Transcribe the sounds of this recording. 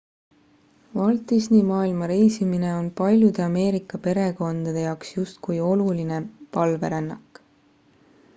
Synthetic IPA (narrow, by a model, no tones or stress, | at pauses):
vɑlt̪ˑisnimɑːilmɑɾe̞jsimine̞o̞npɑlʲjud̪̥e̞ɑme̞ːɾikːˑɑpe̞ɾe̞ko̞nd̪̥ɑd̪̥e̞jɑowksjust̪kujo̞luline̞pɑlve̞ɾenːɑkːˑ